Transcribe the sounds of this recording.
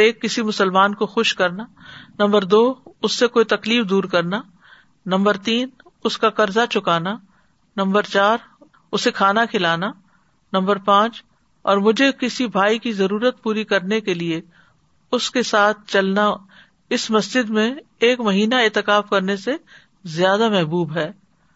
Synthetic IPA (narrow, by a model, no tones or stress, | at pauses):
eːkːɪsimʊsəlmaːnkoxʊʃkɐɾna | nɐ̃mbəɾd̪oːʊsːekoːit̪ɐkliːfd̪uːɾkɐɾna | nɐ̃mbəɾt̪iːn | ʊskakɐɾzat͡ʃʊkaːna | nɐ̃mbəɾt͡ʃaːɾ | ʊsekʰaːnakʰɪlaːna | nɐ̃mbəɾpãːt͡ʃ | ɔːɾmʊd͡ʒʱekɪsibʱaːikizɐɾuːɾət̪̚puːɾikɐɾnekelie | ʊskesaːt̪̚ʰt͡ʃɐlna | ɪsmɐsd͡ʒɪd̪mẽː | kmɐɦiːnaeːt̪ɪkaːfkɐɾnese | zjaːd̪amɛɦbuːbɦɛː